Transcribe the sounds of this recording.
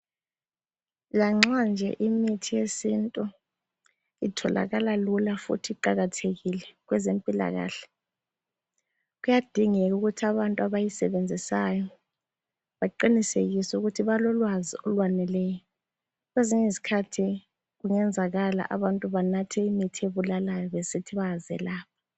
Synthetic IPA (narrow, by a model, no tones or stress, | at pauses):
laŋ͡ǁand͡ʒʱɛ̰ʔimitʰijesintʼu | itʰɔla̰ɣalalulafṵtʰiǃaɣatʰeɣilɛɣwɛzempʼila̰ɣa̰ːɬɛ̥ | ɣujad̥ʱiŋɛkuɣutʰiaβantʼuaβajisɛβend͡zʱisajɔ | βaǃiniseɣisuɣutʰiβalɔlwaziɔlwanɛlɛjɔ | ɣweziɲezikʰatʰi | ɣuŋɛnd͡zʱaɣala̰ʔaβantʼuβanatʰɛimitʰieβulalajɔβesitʰiβazɛ̰laːp̚ʰḁ